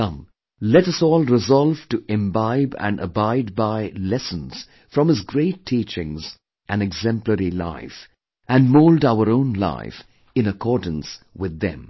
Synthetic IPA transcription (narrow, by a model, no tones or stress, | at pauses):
ʌ̃m | lɛɾʌsɔːlˠɹɨzɔlˠv̥tɨʔɪ̃mbaɪbɨ̰̃nə̰baɪd̚baɪlɛsə̃nz̥ | fɹʌ̃mɨzɡɹeɪtʰːit͡ʃɪ̃ŋz | ʔɨ̃nɨɡzɛ̃mpləɹila̰ɪf | ʔɨ̃nmoʊldaʊə˞õʊ̃nla̰ɪf | ɨ̃nəkʰɔɹdⁿn̩swɪðːɨ̰̃m